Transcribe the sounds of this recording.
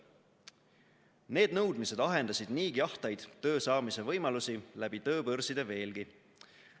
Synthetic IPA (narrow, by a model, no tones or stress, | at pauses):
ne̞ːd̪̚nɤwd̪mise̞d̪ɑɦe̞nd̪ɑsid̪niːkiɑht̪ɑjd̪̥t̪ːø̞ːsɑːmise̞vɤjmɑlusilæb̥it̪ø̞ːbɤrsid̪̥e̞ve̞ːlɡ̥i